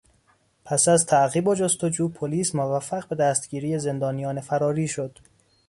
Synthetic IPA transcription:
pʰæsæzt̪ʰæʔɣiːbod͡ʒost̪od͡ʒuːpʰoliːsmovæfːæɣbe̞d̪æst̪̚ɡiːɾiːje̞ze̞nd̪ɒːnijɒːne̞fæɾɒːɾiːʃod̪̥

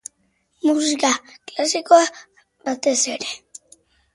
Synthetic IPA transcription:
mus̬ikaklasikoa | bat̪e̞seɾe

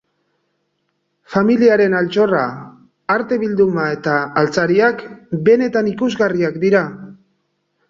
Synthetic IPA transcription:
familiaɾe̞nalt͡ʃo̞ra | aɾt̪e̞βild̪umae̞t̪aːlt͡saɾiakbe̞ne̞t̪anikuzɣariakd̪iɾa

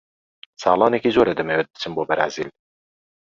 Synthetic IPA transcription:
sɑ̰ːlˠɑːnɛkiːzoːɾɛd̪ɨmewɛt̪̚d̪ɨ̥t͡ʃʰɨnboːbɛɾæ̰ziːl

